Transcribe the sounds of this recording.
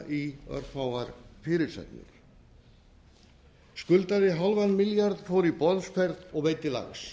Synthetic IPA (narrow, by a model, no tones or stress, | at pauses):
ʔiœ̰ɾ̥fawvaɾfɪːɾɪɾsɛ̰t̪nɪ̰ɾ | skʏlt̪aðɪɦalvanmɪljaɾðfoːwɾipɔðsfɛɾðɔɣvejt̪ɪla̰ɣs